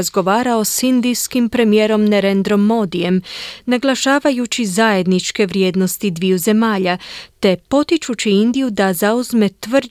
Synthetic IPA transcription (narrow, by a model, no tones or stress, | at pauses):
zɡo̞ʋaːɾaosind̪ijskimpɾe̞mijeːɾo̞mne̞ɾend̪ɾo̞mːo̞ːd̪ije̞mnaɡlˠaʃaːʋajut͡ɕizaje̞d̪nit͡ʃke̞ʋɾje̞ːd̪no̞st̪id̪ʋijuze̞maːʎat̪e̞po̞t̪it͡ʃut͡ɕiind̪ijud̪azauzme̞t̪ʋr